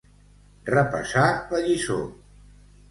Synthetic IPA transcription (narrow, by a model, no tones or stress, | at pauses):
rəpə̰saləʎiso̰